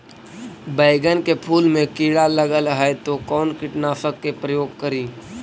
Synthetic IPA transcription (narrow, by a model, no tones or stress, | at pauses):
bəɪɡənkepʰuːlmẽkiːɽaləɡəlɦəet̪okɔːnkɪʈnaːfəkːepɾəjoːɡ̚kəɾiː